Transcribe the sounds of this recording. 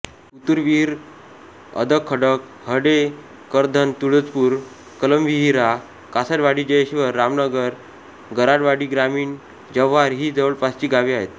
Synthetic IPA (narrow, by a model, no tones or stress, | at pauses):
ut̪uɾʋiɾ | ə̰d̪ʱəkʰːəɽək | həɽe | kəɾd̪ʱənt̪uɽət͡spuːɾ | kələmʋiɦiɾa | kasəʈʋaɽiːd͡ʑəjɕiʋəɾːamnəɡəɾ | ɡəɾaɽʋaɽiːɡɾamiːɳ | d͡ʑəʋːaɾɦiːd͡zəʋəɭpast͡ɕiːɡaʋiaɦet̪